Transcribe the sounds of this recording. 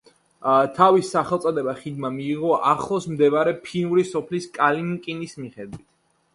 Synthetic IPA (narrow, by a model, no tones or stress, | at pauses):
t̪ʰavisːaχɛlˠsʼɔd̪ɛbaχid̪mamiːʁɔʔaχlˠɔsmd̪ɛbaɾɛpʰinuɾisɔpʰliskʼalimkʼinismiχɛd̪wit̪ʰ